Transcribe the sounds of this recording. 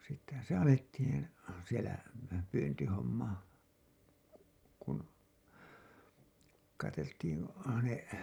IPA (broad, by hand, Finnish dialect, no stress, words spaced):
sitːehæn̞ se ɑletːiːn̞ sielæ pyːntihomːɑ kun kɑteltiːn ne